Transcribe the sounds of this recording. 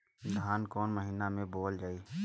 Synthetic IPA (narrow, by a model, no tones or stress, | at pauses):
d̪ʱaːnkɔːnməɦiːnamẽboːld͡ʒaːiː